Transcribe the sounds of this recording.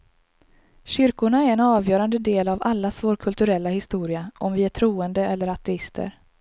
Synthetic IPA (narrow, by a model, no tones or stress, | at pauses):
ɕʏɾkʊɳaɛɾɛnɑːvjœːɾand̪əd̪eːlavalːasvoːɾkʰɵlt̪ɵɾɛlːahɪst̪uːɾɪaʔɔmvɪæʈʰɾuːənd̪əɛlːəɾat̪ʰɛɪst̪ʰə̰ɾ